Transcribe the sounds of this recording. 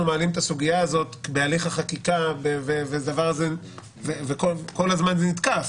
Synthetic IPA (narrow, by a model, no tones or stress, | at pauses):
umealimet̪asuɡijaazo̞t̪bealiχaχakikabevevedavaʁze | vevekolko̞lazmanzenit̪kaf